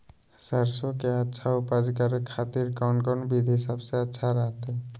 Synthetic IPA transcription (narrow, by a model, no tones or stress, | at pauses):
səɾsokeətːʃʰaupad͡ʒkəɾkʰat̪iɾkankɔnbid̪ʱɦɪsabseətːʃʰaɾəɦt̪e